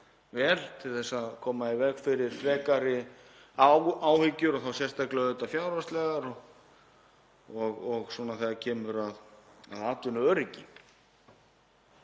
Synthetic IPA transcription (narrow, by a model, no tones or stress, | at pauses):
vɛːlt̪ʰɪlθɛsːaðkʰɔːmaivɛɣfɪɾɪɾ̥fɾɛːkaɾɪ | aaːwhɪcːʏɾɔθawsjɛrst̪ʰaklɛɣʏt̪afjawɾvast̪lɛɣaɾɔɣ | ɔɣɔɣswɔːnaθɛðacʰɛːmʏɾaða̰ðaːt̪ʏnʏœːɾɪcɪ